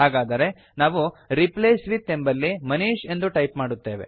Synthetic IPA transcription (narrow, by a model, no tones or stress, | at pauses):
ɦaːɡaːd̪ɐɾe̞ | naːʋuɾipleːsʋit̪ːembɐlːimɐniːʃe̞nd̪uʈɐjpmaːɽut̪ːe̞ːʋe̞̰